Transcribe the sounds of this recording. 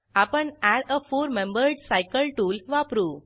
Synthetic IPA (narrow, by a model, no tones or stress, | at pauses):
apəɳæɽəfuːɾmẽmbəɾɖsajkəlʈuːlʋapɾuː